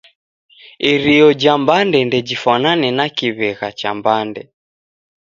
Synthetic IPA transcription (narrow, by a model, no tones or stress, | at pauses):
iɾiɔd͡ʒambandɛndɛd͡ʒifananɛnakiβɛɣat͡ʃambandɛ